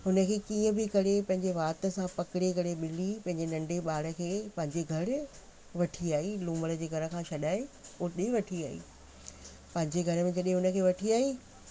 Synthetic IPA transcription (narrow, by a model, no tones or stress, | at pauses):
ɦʊnə̆kʰeːkiːə̃bɪkɐɽepɐ̃ɦɪɲd͡ʑeʋaːt̪ə̆sãpɐkɪɽekɐɾeɓɪlipɐ̃ɦɪ̃ɲd͡ʑenɐ̃ɳɖeɓaːɽə̆kʰeːpɐ̃ɦɪ̃ɲd͡ʑeɡʱɐɾ | ʋɐʈʰiaːɦilũːməɽə̆d͡ʑeːɡʱɐɾə̆kʰãːʃɐɗaːeʊɗẽʋɐʈʰiaːɦḭː | pɐ̃ɦɪ̃ɲd͡ʑeɡʱɐɾəmẽd͡ʑɐɗẽɦʊnə̆kʰeːʋɐʈʰiaːɦiː